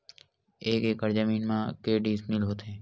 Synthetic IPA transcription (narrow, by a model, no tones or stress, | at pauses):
eːkeːkəɾd͡ʒəmiːnmãːkeːɖiːsmɪlɦoːt̪ẽː